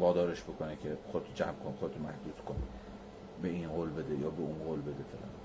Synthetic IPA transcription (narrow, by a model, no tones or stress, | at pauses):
vɒːd̪ɒːɾeʃbo̞kʰonecʰexod̪et̪ʰud͡ʒæmkʰonxod̪et̪omæhd̪uːskʰoni | beinɢoːlbed̪ejɒːbeunɢoːlbe̞d̪efelʔæ̰n